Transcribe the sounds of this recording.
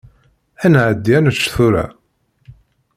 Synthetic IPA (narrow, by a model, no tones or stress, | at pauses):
ænʕəd̪ːjænət͡ʃːθuɾæ̰